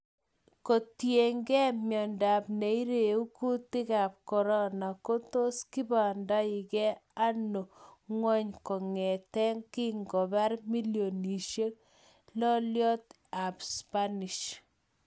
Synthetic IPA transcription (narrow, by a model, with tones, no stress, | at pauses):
ko˨tje˨ŋɡɛ˦mjɔ˨nda˨pne˨i˦ɾe˨u˦ku˦ti˦ka˨p̚kɔ˨ɾɔ˦na˨ko˦to˦ski˦ba˨nda˦i˨kɛ˦a˦no˨ŋwɔ˦ɲkɔ˨ŋɛ˨tɛ˦ŋki˦ŋɡɔ˨ba˦ɾmi˦ljo˨ni˨ʃje˦k̚ | lɔ˦ljɔ˦t | a˨pspa˦ni˨ʃ